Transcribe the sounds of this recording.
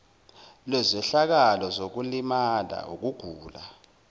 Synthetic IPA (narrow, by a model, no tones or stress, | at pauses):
lɛzɛɬak̬alɔzok̬ulimala̰uk̬uɡ̥ʱuːla